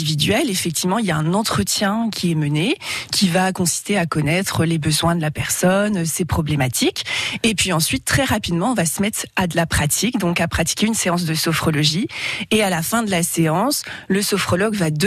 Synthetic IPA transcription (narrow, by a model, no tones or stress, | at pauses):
ivid̪ɥɛlefɛk̚t̪ivmɑ̃iljaɛ̃nɑ̃t̪χət̪jɛ̃kʲʰiɛmənekʲʰivakɔ̃si̥st̪eakɔnɛt̪χəlebəzwɛ̃d̪əlapɛʁsɔnøsepχɔblemat̪ʰikepɥiɑ̃sɥit̪ːχɛʁapid̪mɑ̃ɔ̃vasəmɛt̪χad̪əlapχat̪ʰikd̪ɔ̃kapχat̪i̥kʲeynseɑ̃s̬d̪əsɔfχɔlɔʒiealafɛ̃d̪əlaseɑ̃sləsɔfχɔlɔɡvad̪